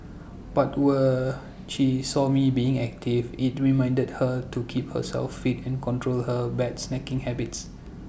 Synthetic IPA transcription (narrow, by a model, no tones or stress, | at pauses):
b̥atwɛ | ʃisɔmibiɪ̃ŋɛk̚tʰivɪt̚ɹimãj̃ndəd̚hətukʰip̚hə̰sɛ̰lfːitɛ̃nkɔ̃ntɹolhəbɛtsnɛkɪ̃ŋhɛbɪts